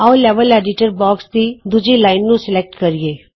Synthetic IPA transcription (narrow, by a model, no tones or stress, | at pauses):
aoleːʋəleːɖɪʈəɾbɔːkst̪id̪ud͡ʒilaːɪnːũsɪlek̚ʈkɐɾieː